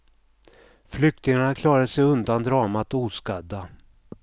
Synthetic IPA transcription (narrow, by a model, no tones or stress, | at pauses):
flʏk̚t̪ɪŋaɳakʰlɑːɾad̪əsɛjɵnd̪and̪ɾɑːmat̪uːskad̪ːa